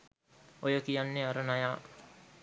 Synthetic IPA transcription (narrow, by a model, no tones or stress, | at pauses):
ojəkijanːeaɾənajaː